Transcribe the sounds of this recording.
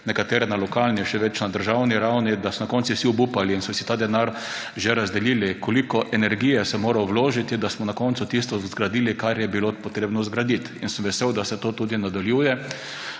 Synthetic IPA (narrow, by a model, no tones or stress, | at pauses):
nɛkat̪eːɾɛnalɔkalniʃɛʋɛt͡ʃnad̪əɾʒawniɾawnid̪asɔnakɔːnt̪siwsiɔbupaliːnsɔsi̥t̪aːd̪ɛnaɾ | ʒeɾazd̪ɛljiːlikolikɔʔɛnɛɾɡijɛsɛmoːɾaɔwloːʒit̪id̪asmɔnakɔnt̪sʊt̪ist̪ɔzɡɾad̪iːlikaɾjɛbilopɔt̪ɾeːbnɔzɡɾad̪it̪insəmʋɛsewd̪asɛt̪oːt̪uːd̪inad̪aljuːjɛ